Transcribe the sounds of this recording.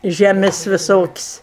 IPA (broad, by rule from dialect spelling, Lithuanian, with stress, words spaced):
ʒʲɛˈmʲɪsʲ ʋʲɪˈsoːkʲɪsʲ